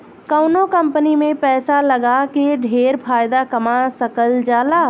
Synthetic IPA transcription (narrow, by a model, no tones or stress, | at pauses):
kəʊnokə̃mpənimẽpɛːsaləɡakeɖʱeːɾpʰaːjd̪akəmasəkəld͡ʒaːlaː